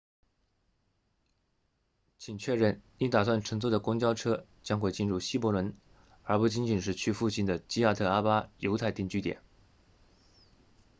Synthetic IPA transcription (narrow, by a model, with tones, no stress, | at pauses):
t͡ɕʰi˨˩ŋt͡ɕʰɥɛ˥˧ɻə˥˩ni˧˥t̪a˨˩swa˥˩nʈ͡ʂʰɤ˧˥ŋt͡sɔ˥˩d̪ə˩kʊ˥ŋt͡ɕjɑ˥ʊʈ͡ʂʰɤ˥t͡ɕjɑ˥ŋxwe˥˧ɪt͡ɕi˥˧nɻu˥˩ɕi˥˩pɔ˧˥lwə˧˥n | ə˞˧˥pu˥˩t͡ɕi˧˥nt͡ɕi˨˩nʂɻ̩˥˧t͡ɕʰy˥˧fu˥˩ɕi˥˩nd̪ə˨t͡ɕi˥ja˥˧t̪ʰɤ˥˩a˥pa˥jo˧˥ʊt̪ʰa˥˧ɪt̪i˥˧ŋt͡ɕy˥t̪jɛ̰˨˩˦n